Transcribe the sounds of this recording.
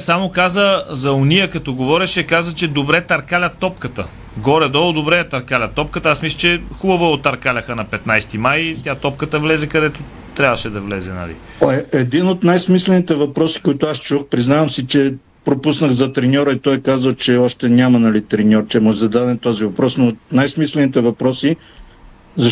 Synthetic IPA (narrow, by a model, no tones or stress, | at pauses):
samokazəzɐʊnijəkɐt̪ɔɡovɔɾʲɛʃɛkazət͡ʃɛd̪obɾɛt̪ɐɾkalʲɐt̪ɔpkət̪ə | ɡɔɾɛd̪ɔlˠod̪obɾɛt̪ɐɾkalʲɐt̪ːɔp̚kət̪əasmislˠət͡ʃɛxubɐvoɛot̪ɐɾkalʲɐxənɐpɛt̪najst̪imajt̪ʲjat̪ɔp̚kət̪əvlɛzɛkɐd̪ɛt̪o | t̪ɾʲavəʃɛd̪ɐvlɛzɛnɐ̰lḭ | ojɛd̪inot̪najsmislɛnit̪ɛvɐpɾɔsi̥koit̪ʊast͡ʃuxpɾiznavɐmsit͡ʃɛ | pɾopusnəɣzɐt̪ɾɛnʲɔɾəit̪ɔjkazəlˠt͡ʃɛɔʃt̪ɛnʲamɐnɐlit̪ɾɛnʲɔɾt͡ʃɛmɔʒzɐd̪ad̪ɛnt̪ɔzivɐpɾɔsnot̪najsmislɛnit̪ɛvɐpɾɔsi | zɐ